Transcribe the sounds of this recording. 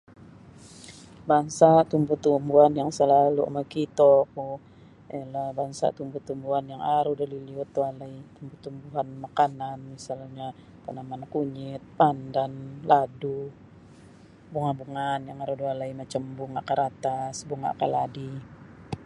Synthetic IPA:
baŋsaʔt̪umbuht̪umbuɦanjaŋsəlalua̰makit̪oku | alahbaŋsa̰ʔt̪umbuht̪umbuɦanjaŋaɾudaliliut̪ːualait̪umbut̪umbuɦanmakananmisalɲa | panamankuɲɪt̪̚pandanladu | buŋabuŋanjaŋaɾudualaimat͡ʃambuŋakaɾat̪asbuŋa̰kaladi

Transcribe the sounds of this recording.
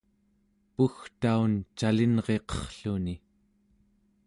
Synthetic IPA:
puxt̪aunt͡ʃalinʁe̞qʌ̥χɬuni

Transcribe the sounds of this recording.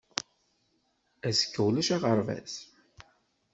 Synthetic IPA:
æsə̥kːəwlæʃaʁəɾˤvæ̰s

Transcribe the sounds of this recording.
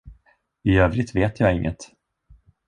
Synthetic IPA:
ɪøːvɾɪt̪veːt̪ʰjɑːɪŋːə̰t̪

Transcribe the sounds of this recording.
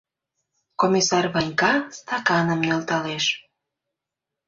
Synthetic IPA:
komʲisɑrβɑnʲkɑst̪ɑkɑnə̆mjølt̪ɑleʃ

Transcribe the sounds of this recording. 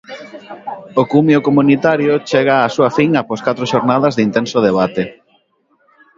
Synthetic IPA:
okumjokomunit̪aɾjʊt͡ʃɛɣaːsuafiŋaposkat̪ɾʊʃoɾnaðɐzðint̪ensʊðeβat̪e

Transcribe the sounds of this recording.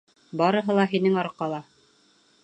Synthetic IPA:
bɑɾɤ̆ɦɤ̆lˠɑɦinɘŋɑɾqɑlˠɑ

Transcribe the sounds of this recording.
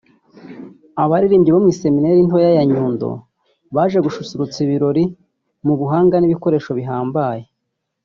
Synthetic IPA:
aβaɾiɾiːmɟiβomŋiːse̞mine̞ɾintojajaɲuːndo̰ | βaːʒe̞ɡuʃusuɾut͡siβiɾo̞ɾi | muβuɦaːŋɡaniβiko̞ɾe̞ːʃo̞βiɦaːmbaːje̞

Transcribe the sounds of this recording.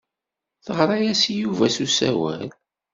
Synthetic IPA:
θəʁɾˤɑjæsjuvæsusæ̰wæ̰l

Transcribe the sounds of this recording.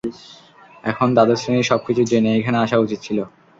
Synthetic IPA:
ɛkʰond̪ad̪eɾsɾeniʃɔb̚kit͡ɕʰud͡ʑeneejkʰɛneaʃaut͡ɕit̪̚t͡ɕʰilo

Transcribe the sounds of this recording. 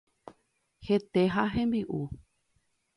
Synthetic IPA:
he̞t̪eɦaɦẽmbiʔu

